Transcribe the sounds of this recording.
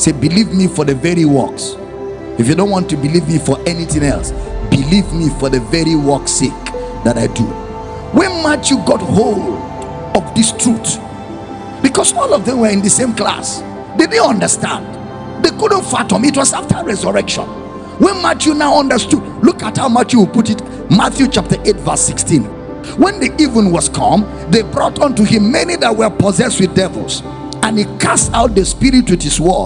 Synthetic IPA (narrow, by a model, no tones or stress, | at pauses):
sebilivmifɔðɨvɛɹiwɜ̰ks | ifjɨdõʊ̃ntwɔ̃ntubilivmifɔʔɛniθɪ̃ŋɛ̰lˠsbilivmifɔðɨvɛɹiwɜksik | ðaɾaɪdṵ | wɛmat͡ʃjuɡɔt̚hold | ɔvðɪstʰɹ̥ut | b̥ikɔsɔlˠɔvðɛ̃mwə˞ɨ̃nðɨsẽmkla̰s | dɪd̚neʌ̃ndə˞stã̰nd | ðekʊd̃n̩tfatɔ̃mitwɔzaftʰə˞ɹɛzəɹɛkʃɔ̰̃n | wɛ̃nmatjunaʊʌ̃ndə˞studlukat̚haʊmatjuwputit | maθjut͡ʃap̚tə˞ʔetvɜ˞sikstĩn | wɛ̃nðiʔivə̃nwɔskʰʌ̃m | ðebɹɔtɔ̃ntuhĩmːɛniðat̚wə˞pɔzɛst̚wɪðdɛvə̰l̩ˠs | ə̃nikʰastaʊt̚ðəspiɹitwɪðiswɔl